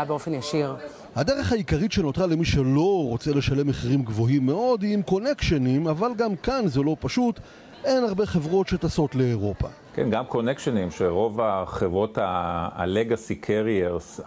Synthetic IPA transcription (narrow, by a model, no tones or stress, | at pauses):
beofenjaʃiʁ | had̪eʁeχhaikaʁitʃe̞no̞t̪ʁale̞miʃe̞lo̞ʁo̞t͡sele̞ʃale̞mːeχiʁimɡvo̞ɦimːe̞o̞d̪imko̞ne̞kʃenimavalɡamkanzelo̞paʃut | e̞naʁbe̞χe̞vʁo̞tʃe̞taso̞tle̞ːʁo̞pa̰ | kenɡamko̞nekʃonimʃeʁo̞vaχevʁo̞ta̰leɡasikʰeʁieʁs